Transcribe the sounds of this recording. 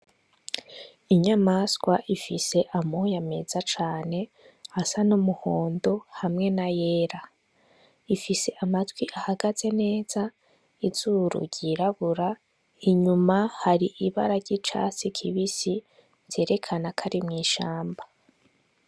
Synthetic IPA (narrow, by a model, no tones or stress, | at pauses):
iɲamaskwaʔifise̞ʔamojame̞z̥at͡ʃaːne̞ | asanumuho̞ːndo̞hamŋe̞naje̞ːɾa | ifise̞ʔamatɡwiʔahaɡaz̥e̞ne̞ːz̥a | iz̥uɾṵɟiɾaβuɾa | iɲumahaɾiʔiβa̰ɾaɾɟit͡ʃa̰sikʰiβisi | z̥e̞ːɾe̞kʰanakʰaɾimŋiːʃaːmba